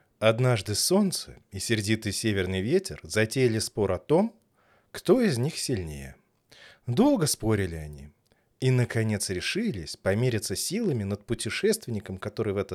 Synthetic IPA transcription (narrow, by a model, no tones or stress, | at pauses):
ɐd̪naʐd̪ɨso̞nt̪sɨ̰ | ɪsʲɪrdʲit̪ɨjsʲevʲɪrnɨjvʲetʲɪrzɐtʲejɪlʲɪspo̞ɾɐt̪o̞m | kt̪o̞ɪzʲnʲixsʲɪlʲnʲḛjə̰ | d̪o̞lˠɡəspo̞ɾʲɪlʲɪɐnʲḭ | inəkɐnʲe̞t̪sɾʲɪʂɨlʲɪsʲpɐmʲeɾʲɪt̪səsʲilˠəmʲɪnət̪̚pʊtʲɪʂɛst̪vʲɪnʲɪkəmkɐt̪o̞ɾɨjvɛt̪ə